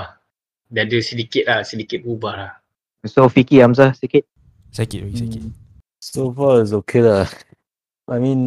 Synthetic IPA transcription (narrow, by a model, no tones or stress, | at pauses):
dadəsidikit̪̚lahsidikit̚bubahlah | sofikiams̬asikit̚ | sakitskit | sofaiz̬okʰela | amĩn